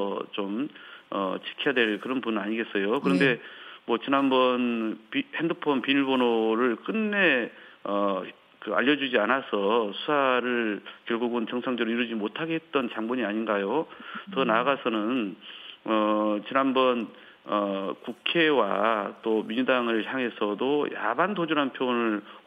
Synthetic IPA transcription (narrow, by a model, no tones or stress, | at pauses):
t͡ɕomʌt͡ɕi̥kʰijadwe̞ɭkɯɾʌnbunɯnaɲiɡe̞s͈ʌjokɯɾʌnde̞mwʌt͡ɕinanbʌnpihendɯpʰonpiniɭbonoɾɯɭk͈ɯnːe̞ʌ | kɯa̰ʎːʌd͡ʑud͡ʑianasʰʌsʰu̥sʰaɾɯɭkjʌɭɡuɡɯnt͡ɕʌŋsʰaŋd͡ʑʌɾoiɾɯd͡ʑimotʰaɡeɦe̞t̚t͈ʌnt͡ɕaŋboɲiaɲinɡajotʌnaɡasʰʌnɯn | ʌt͡ɕinanbʌn | ʌkukʰe̞wat͈omiɲd͡ʑudaŋɯɭçjaŋɦe̞sʰʌdoja̰bandod͡ʑunɦanpʰjonɯɭ